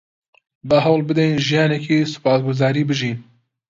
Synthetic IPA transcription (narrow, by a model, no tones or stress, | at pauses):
bəɦɐwlbɨd̪ɛjnʒijɑːnɛkiːsɨ̥pɑːsɡʊzɑːɾiːbɨʒiːn